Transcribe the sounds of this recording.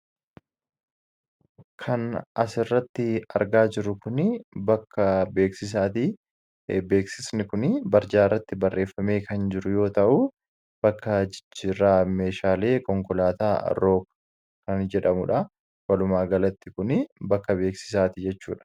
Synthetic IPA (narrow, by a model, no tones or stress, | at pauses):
kʰɐnɐsɪrːɐt̪ːɪɐ̰ɾɡaːd͡ʒɪɾʊkʊnɪbɐkːɐbe̞ːksɪs̬aːt̪ɪ | be̞ːksɪsnɪkʊnɪbɐɾd͡ʒaːrːɐt̪ːɪbɐrːe̞ːfːɐme̞ːkɐnd͡ʒɪɾʊjo̞ːt̪ɐʔʊ | b̥ɐkːɐd͡ʒɪɾaːmeːʃaːle̞ːkʼɔŋkɔlaːt̪a̰ːɾo̞ːkː | kɐnd͡ʒɛᶑɐmʊᶑɐ | wɐlʊmaːɡɐlɐt̪ːɪkʊnɪbɐkːɐbe̞ːksɪ̥s̬aːt̪ɪd͡ʒɛt͡ʃːṵːᶑɐ̥